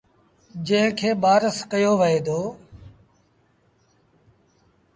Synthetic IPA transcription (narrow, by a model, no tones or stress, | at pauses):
d͡ʒə̃ːɦɪ̃kʰeːɓaːɾəskəjoːʋəɦeːd̪oː